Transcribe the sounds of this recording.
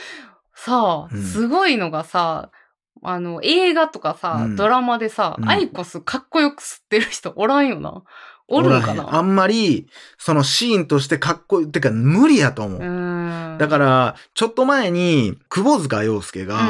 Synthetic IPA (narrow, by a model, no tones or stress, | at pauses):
sasɨɡo̞ino̞ɡasa | ano̞ʔe̞ːɡat̪o̞kasad̪o̞ɾamad̪e̞saaiko̞sɨkʰakːo̞jo̞kɯ̟̥sɨ̥t̪ːeɾɯ̟çi̥t̪o̞ʔoɾãɰ̃jo̞na̰oɾɯ̃ɾkana̰amːaɾʲiso̞no̞ɕiːnt̪o̞ɕ̬i̥t̪e̞kakːo̞it̪eɯkːamɯ̟ɾʲijat̪o̞ːmo̞̰ɯ̟̃d̪akaɾat͡ɕo̞t̪ːo̞mae̞ɲ̟ikɯ̟bo̞zɨɡajo̞ːsɨ̥ke̞ɡa